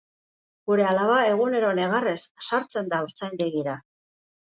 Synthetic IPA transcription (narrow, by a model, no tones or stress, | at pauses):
ɡuɾe̞alaβae̞ɣune̞ɾo̞ne̞ɣ̞are̞sːaɾt͡se̞nd̪auɾt͡sajɲbe̞ɣiɾa